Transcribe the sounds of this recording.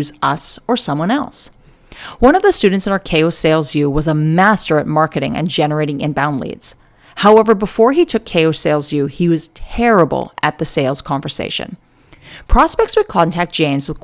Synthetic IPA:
zʌsə˞sʌ̃mwʌ̃ñɛ̰lˠs | wʌ̃ñʌvðɨstʉdⁿn̩tsɨ̃nə˞kʰeɪoʊseɪlˠzjʉwʌzəmæstə˞ɨt̚mɑɹkɨɾɪ̰̃ŋɨ̰̃nd͡ʒɛnə˞eɪɾɪ̃ŋɨ̰̃nbãʊ̃ndˡlḭdz̥ | haʊɛvə˞bəfɔɹitʰʊkʰːeɪoʊseɪlˠzjʉiwʌz̥tʰɛɹəb̰l̩ˠʔɨt̪̚ðɨseɪlˠz̥kʰɑ̃ɱvə˞sḛɪʃɨ̰̃n | pʰɹ̥ɑspɛk̚tswɨd̚kʰɑ̃ntʰæk̚d̥ʒ̥ẽɪ̃nzwəð̥k

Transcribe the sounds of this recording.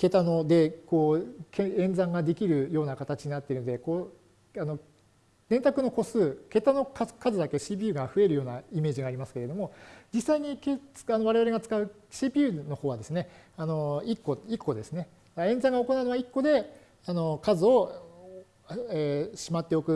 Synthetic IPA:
ke̞t̪ano̞d̪e̞ko̞ːkeẽ̞nd͡zãŋɡad̪e̞kʲiɾɯ̟jo̞ːnakat̪at͡ɕiɲ̟inat̪ːeiɾɯnod̪ekoː | ano̞ | d̪̥ẽ̞nt̪akɯ̟no̞ko̞sɨːke̞t̪ano̞kakazɨd̪ake̞ɕiːp̬ʲijɯ̟ːɡaɸɯ̟e̞ɾɯ̟jo̞ːnaime̞ːʑiɡaːɾʲimasɨ̥ke̞ɾe̞d̪o̞mo̞d͡ʑisːaiɲ̟ike̥anoβaɾeaɾe̞ɡat͡sɨ̥kaɯ̟ | ɕiːpʲiɯ̟no̞ho̞ːβad̪e̞sɨne̞ano̞ikːo̞ikːo̞d̪e̞sɨne̞ | aẽ̞nzãŋɡao̞ko̞naɯ̟noβaikːo̞d̪e̞ | ano̞kazɨo̞ | eɕimat̪ːe̞o̞kɯ̟

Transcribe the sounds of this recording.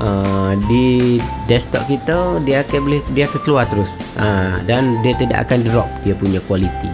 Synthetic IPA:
ʔədidɛst̪ɔ̰ʔkit̪ədiaːkəbəlɪdiaakəkəluart̪əɾʊsʔadandiat̪ida̰ʔa̰kandəɾɔp̚diapuɲakualit̪ḭ

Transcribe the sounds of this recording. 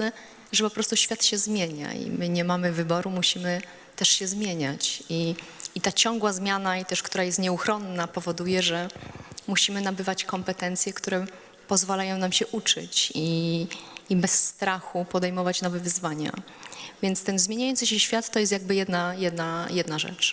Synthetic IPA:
nɛ | ʐɛpɔpɾɔst̪uɕfʲjat̪ɕɛzmʲjeɲa̰ḭmɘɲɛmamɘvɘbɔɾumuɕimɘ | t̪ɛʂɕɛzmʲjeɲat͡ɕiit̪at͡ɕɔŋɡwazmʲjanait̪ɛʂkt̪uɾajɛst̪ɲɛuxɾɔnːapɔvɔd̪ujɛʐɛmuɕimɘnabɘvat͡ɕkɔmpɛt̪ɛnt̪sʲjɛkt̪uɾɛ | pɔzvalajɔ̃w̃namɕɛʔut͡ʂɘ̰t͡ɕiː | bɛsːt̪ɾaxupɔd̪ɛjmɔvat͡ɕnɔvɛvɘzvaɲa̰ | vʲjɛnt̪st̪ɛnzmʲjeɲajɔnsɨɕɛɕfʲjat̪ːɔjɛst̪jaɡ̚bɘjɛd̪najɛd̪najɛd̪naʐɛ̰t͡ʂ

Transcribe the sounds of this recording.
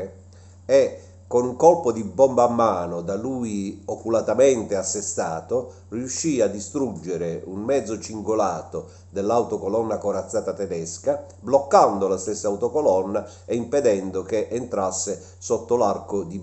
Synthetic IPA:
ɛ | kːonuŋkɔlpod̪ibɔmbaːmːaːnod̪aluiokulat̪ament̪easːest̪aːt̪o | riuʃːiːad̪ːist̪ɾud͡ʒːeɾeunmɛd̪zot͡ʃiŋɡolaːt̪o | d̪elːawt̪okolɔnːakoɾat̪sːaːt̪at̪ɛd̪ɛska | blɔkːand̪olast̪esːaːwt̪okolɔnːa | eimped̪ɛnd̪okeʔent̪ɾasːe | sɔt̪ːolarkod̪i

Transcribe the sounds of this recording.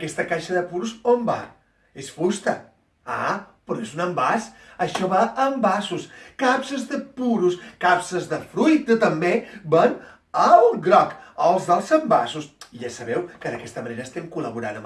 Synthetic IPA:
kɛst̪əkaʃəðəpuɾuzomba | esfust̪ə | a̰pɾɔezunəmbas | əʃɔβaʔəmbasuskapsəzðəpuɾuskapsəzðəfɾujt̪ət̪əmbeban | əuɡɾɔkəlˠzðəlˠzəmbasusiʒasəβɛwkəðəkɛst̪əməneɾəːst̪ɛmkuləβuɾanəm

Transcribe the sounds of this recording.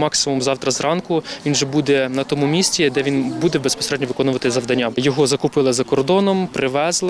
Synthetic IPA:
mɑksɪmumzɑwt̪ɾɐzrɑnkʊʋʲinʒɛbud̪ɛnɐt̪ɔmumʲisʲtʲid̪ɛʋʲinbud̪ɛbespɔ̥seɾɛd̪ʲnʲɔʋɪkɔnʊʋɐt̪ɪzɐʋd̪ɐnʲːajɔɦɔzɐkʊpɪlˠɪzɐkɔrd̪ɔnɔmpɾʔɪʋɛzlˠ

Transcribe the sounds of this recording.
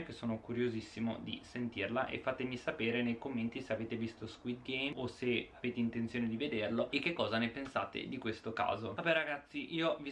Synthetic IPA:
kesːoːnokuɾjozisːimo̰d̪ḭsent̪irlaʔḛfːat̪emisapeːɾenejkomːent̪iseaveːt̪evist̪oskwit̪̚ɡɛjmoseaveːt̪eint̪ent̪sjoːned̪ived̪erloek̟ːekːɔːzanepensa̰ːt̪ḛd̪ikwest̪oka̰ːzoabɛɾaɡat̪sːiʔiːovi

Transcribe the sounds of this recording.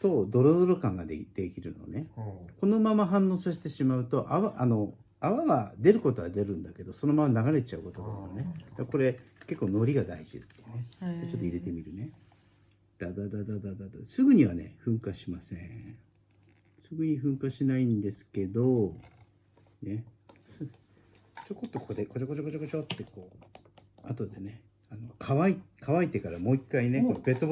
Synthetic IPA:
so̞ːd̪o̞ɾo̞d̪o̞ɾo̞kãŋɡad̪ed̪̥ekʲiɾɯ̟no̞̰ne̞ko̞no̞mamaɦãnːo̞ːsaɕi̥t̪e̞ɕimaɯ̟t̪o̞ʔaβaʔano̞ | aβaɡad̪e̞ɾɯ̟ko̞t̪o̞βad̪e̞ɾɯ̟̃nd̪ake̞d̪o̞so̞no̞mamanaɡaɾe̞t͡ɕaɯ̟ko̞t̪od̪a̰jone̞d̪aako̞ɾe̞ke̞kːo̞ːno̞ɾʲiɡad̪aiʑḭt̪ːejɯnemt͡ɕo̞t̪ːoiɾe̞t̪e̞mʲiɾɯ̟ne̞ | d̪̥ad̪ad̪ad̪ad̪ad̪ad̪asɨɡɯ̟ɲ̟iβane̞̰ɸɯ̟̃ŋkaɕimasḛ̃ | sɨɡɯ̟ɲ̟iɸɯ̟̃ŋkaɕinaĩnd̪e̞sɨ̥ke̞d̪o̞ | ne̞sɨɡ | t͡ɕo̞kot̪ːo̞kod̪eko̞d͡ʑokot͡ɕokot͡ɕokot͡ɕot̪ːe̞ko̞ː | a̰t̪o̞d̪e̞ne̞ | ano̞kʰaβaikʰaβait̪e̞kaɾamo̞ːikːaine̞koobe̞t̪ːo

